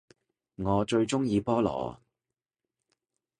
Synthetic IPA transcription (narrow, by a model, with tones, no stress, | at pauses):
ŋɔː˨˧t͡ʃɵ˧ɥt͡ʃʊ˥ŋjiː˧pɔː˥lɔ̰ː˨˩